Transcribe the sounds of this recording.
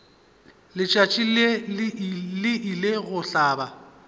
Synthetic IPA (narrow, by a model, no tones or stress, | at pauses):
lɪt͡ʃʼat͡ʃʼile | lɪʔileɣʊɬaːba